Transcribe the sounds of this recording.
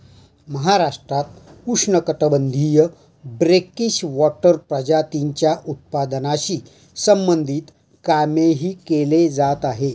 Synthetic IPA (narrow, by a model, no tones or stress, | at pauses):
məɦaɾaʂʈɾat̪ukʂɳəkəʈ̪əbənd̪ʱijə | bɾekiɕʋɔʈəɾpɾəd͡ʑat̪iɲt͡ɕjaʔut̪̚pad̪naɕiː | səmbənd̪ʱiːt̪ | kameɦiːkeled͡zat̪aɦe